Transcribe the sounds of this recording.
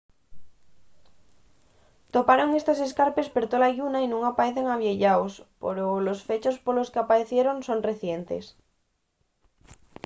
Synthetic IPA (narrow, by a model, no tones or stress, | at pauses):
t̪opaɾo̞ŋest̪ose̞skaɾpe̞speɾt̪olajunainũŋapaɾeθeŋaβjeʎaospoɾolosfet͡ʃospoloskeapaɾeθjeɾoŋso̞nreθjent̪ḛs